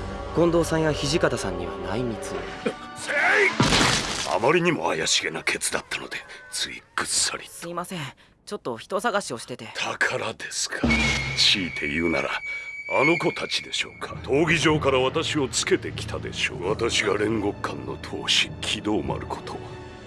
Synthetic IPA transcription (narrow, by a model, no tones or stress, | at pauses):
ɡ̥õ̞nd̪oːsãɰ̃jaçiʑikat̪asãɲ̟ːiβa̰naimʲit͡sɨse | a̰maɾʲiɲ̟imo̞̰a̰jaɕiɡe̞nakʰe̞t͡sɨd̪at̪ːano̞̰d̪e̞t͡sɨḭkːɯ̟sɨ̥sa̰ɾʲisɨiːmasẽ̞ɴ | t͡ɕo̞t̪ːo̞çi̥t̪o̞saɡaɕio̞ɕi̥t̪e̞t̪e̞t̪ʰakʰaɾad̪e̞sɨ̥kʰḁɕiːt̪ʰe̞jɯ̟ːna̰ɾa̰ano̞ko̞t̪ʰat͡ɕi̥d̪e̞ɕo̞̰ːkʰḁt̪ʰo̞ːɡʲiʑo̞ːkaɾaβat̪aɕio̞t͡sɨ̥ke̞t̪e̞kʲi̥t̪ad̪e̞̰ɕo̞̰ːβat̪aɕiɡaɾẽ̞ŋɡo̞kʰːãnːo̞̰t̪ʰo̞̰ːɕi̥kʲʰid̪o̞ːma̰ɾɯ̟kʰo̞̥t̪ʰo̞